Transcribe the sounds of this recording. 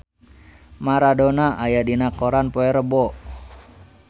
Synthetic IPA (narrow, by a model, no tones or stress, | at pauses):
maɾadonaʔajadinakɔɾanpoɛɾəbɔʔ